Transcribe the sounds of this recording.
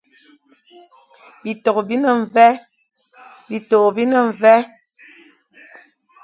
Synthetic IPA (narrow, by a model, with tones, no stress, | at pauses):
bi˨to˨kbi˦nə˨ɱ˨vɛ˦ | bi˨to˨bi˦nə˨ɱ˨vɛ˦